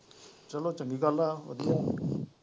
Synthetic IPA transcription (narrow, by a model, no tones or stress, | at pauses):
t͡ʃəloːt͡ʃəŋɡikaːlːaʋə̰d̪lõː